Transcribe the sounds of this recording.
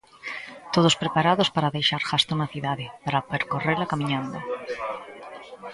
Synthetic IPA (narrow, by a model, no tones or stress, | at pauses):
t̪oð̞ospɾepaɾaðospaɾaðejʃaɾxast̪onaθiðaðepaɾapeɾkoreɾlakamĩɲãnd̪a